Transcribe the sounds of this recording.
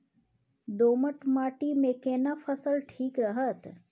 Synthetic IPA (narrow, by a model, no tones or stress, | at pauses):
d̪oːməʈmaːʈimẽkeːnafʰəsəlʈʰiːkɾəɦət̪